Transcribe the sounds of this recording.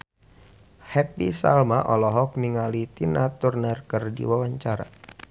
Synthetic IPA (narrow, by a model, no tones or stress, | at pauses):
hɛpisa̰lmaʔɔlɔɦɔk̚niŋalit̪inat̪urnərkərdḭwawaɲt͡ʃaɾa̰